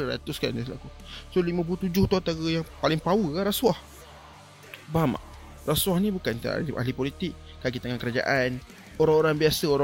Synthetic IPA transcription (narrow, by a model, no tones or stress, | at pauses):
əɾa̰t̪ʊska̰nisla̰kusolimãp̬ulut̪ud͡ʒʊht̪uat̪aɣəjaŋpalɪŋpawəkaɾaswah | bama̰ʔ | raswahnĩbukant̪a̰ʔa̰ɦlipolit̪ɪk̚ | kaɡit̪aŋankəɾad͡ʒa̰ʔan | oɾaŋoɾaŋbiasəoɾa